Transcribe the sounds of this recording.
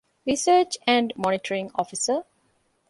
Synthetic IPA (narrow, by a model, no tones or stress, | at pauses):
ɾisəːt͡ʃæ̃ɳɖmɔ̃nɪʈəɾĩŋɔ̰fisə